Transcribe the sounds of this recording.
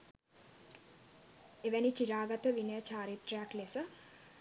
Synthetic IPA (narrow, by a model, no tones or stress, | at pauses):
eʋænit͡ʃiɾaːɡat̪əʋinəjət͡ʃaːɾit̪rəjaklesə